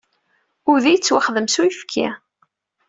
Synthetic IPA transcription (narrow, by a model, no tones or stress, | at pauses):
ʊɾðijət͡sːwaχðəmsuifkʰːa̰